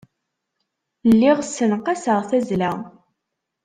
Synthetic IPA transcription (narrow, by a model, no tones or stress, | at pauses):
lːɪʁsənqɑsəʁθæzlæʁ